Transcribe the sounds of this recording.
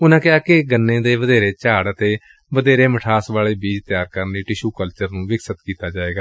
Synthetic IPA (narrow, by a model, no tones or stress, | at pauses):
ʊnãːkɪɦaːkɪɡənːẽːd̪eːʋəd̪eːɾeːt͡ʃaːɽət̪eː | ʋəd̪eːɾeːməʈʰaːsʋaːleːbiːd͡ʒt̪ɪjaːɾkəɾndiːʈɪʃuːkəlt͡ʃəɾnũːʋɪksət̪kiːt̪aːd͡ʒaːeːɡaː